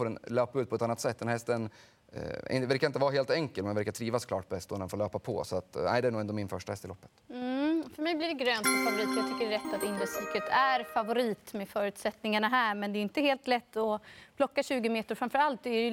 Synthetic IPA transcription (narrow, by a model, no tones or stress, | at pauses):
foːɾɛnløːpaʉ̟ːt̪pʰɔɛt̪anːat̪sɛt̪̚ːd̪ɛnhɛst̪ən | ɛ̰ɪ̰væɾkaɾɪnt̪əvɑːɾaɦeːlt̪ɛŋkəlmɛnvæɾkat̪ʰɾiːvaskʰlɑ̰ːʈ̚pʰɔɛst̪ɔnɛnfoːɭøːpapʰɔ̰sɔat̪næ̰ɪd̪ɛæɳuːɛnd̪ɔmɪnfœʂʈahɛst̪ɪlɔ̰pːə̥t̪̩ | fœɾmɛjblɪɖɛɡɾøːnt̪ɔfavʊɾiːt̪ɔjɑɡt̪ʰʏkːəɖɛɾɛt̪ːat̪ɪnɾɛsykət̪ʰæɾfavʊɾiːt̪mɛfœːɾʉ̟t̪sɛt̪nɪŋaɳaɦæːɾmɛnd̪ɛːɪnt̪əheːlt̪lɛt̪ːɔpʰlɔkːaɕʉ̟ːɡəmeːt̪əɾfɾamfœɾalt̪̚d̪ɛæ